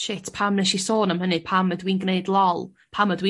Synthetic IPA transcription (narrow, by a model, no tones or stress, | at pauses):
ʃɪtʰpʰamnɛʃisoːnamhənɨpʰamədwiːnɡneɨdlˠɔlˠ | pʰamədwiː